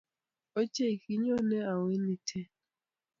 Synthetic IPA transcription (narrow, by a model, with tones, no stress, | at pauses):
o˦t͡ʃe˦˨i˨ki˦ɲɔ˦nɛ˦a˨wɪ˦ni˦tʰɛ˦